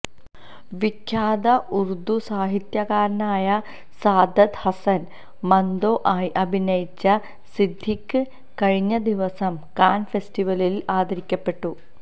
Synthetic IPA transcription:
ʋikʰːjaːd̪ɐʔuɾud̪usaːɦit̪jɐkaːɾɐnaːjɐ | saːd̪ʱɐt̪hɐsɐn | mɐnd̪oːʔaːjʔɐbʱinɐjit͡ɕːɐ | sid̪ʱːikʲːɨ | kɐɻiɲːɐd̪iʋɐsɐmkaːnfe̞sʈiʋɐlilaːd̪ʱɐɾikʲːɐpːe̞ʈːu

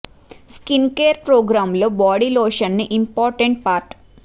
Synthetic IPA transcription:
skinkeːɾpɾoːɡɾaːmloːbaːɽiloːʃɐnniʔimpɔːɾʈeɳʈ̚paːɾʈ

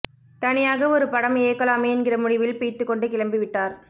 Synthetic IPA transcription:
t̪ɐnɪjaːɣɐɔɾɯpɐɽɐmeːkːɐlaːmɐɛnɡɪrɐmʊɽɪʋɪlpiːt̪ːɯkːɔɳɖɯkɪɻɐmbɪʋɪʈːaːɾ

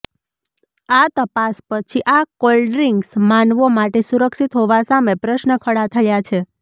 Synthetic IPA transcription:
at̪əpaspət͡ʃʰiʔakolɖɾiŋɡsmanʋomaʈesuɾəkʃit̪ɦoʋasamepɾəʃnəkʰəɽat̪ʰəjat͡ʃʰe

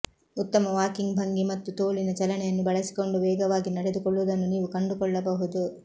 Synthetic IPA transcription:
ut̪ːɐmɐʋaːkiŋɡbʱɐŋɡimɐt̪ːut̪oːlinɐt͡ʃɐlɐnɛjɐnːubɐɭɐsi̥ko̞ɳɖuʋɛːɡɐʋaːɡinɐɽed̪ukɔɭːuʋd̪ɐnːuniːʋukɐɳɖukɔɭːɐbɐɦud̪u

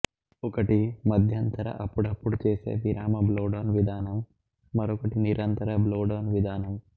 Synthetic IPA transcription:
ɔkɐʈimɐd̪ʱjɐnt̪ɐɾɐ̰ʔɐpːuɽɐpːuɽut͡ʃeːsḛːbiɾaːmɐbloːɖoːnʋid̪ʱaːnɐmː | ɐɾɔkɐʈiniɾɐnt̪ɐɾɐbloːɖoːnʋid̪ʱaːnɐm

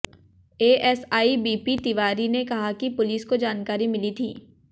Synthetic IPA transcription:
eːʔɛːsaːibiːpit̪iʋaːɾinekɐɦakipʊliːskod͡ʒaːnkaːɾimɪlit̪ʰiː

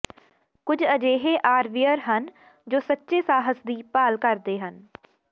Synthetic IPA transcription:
kʊd͡ʒəd͡ʒeːɦeːʔaːɾʋijəɾɦən | d͡ʒoːsətːʃeːsaːɦəsd̪iːpaːlkəɾd̪eːɦən

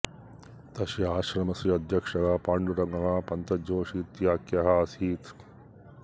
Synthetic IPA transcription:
t̪ɐʃiaːʃɾɐmɐsiɐd̪ʱjɐkʂɐɡaːpaːɳɖuɾɐŋɡɐɦãːpɐnt̪ɐd͡ʒoːʃiːt̪jaːkjɐɦaɐsiːt̪

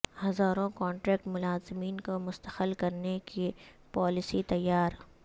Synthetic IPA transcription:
hɐzaːɾõkɔ̃ːɳʈɾɛːk̚ʈmʊlaːzɪmiːnkomʊst̪əxəlkɐɾneke | paːlɪsit̪ɐjːaːɾ

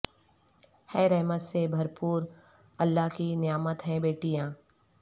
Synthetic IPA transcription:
hɛːɾɛɦmət̪sebʱɐɾpuːɾ | ɐlːaːɦkinɪjaːmət̪ɦɛ̃beːʈijãː

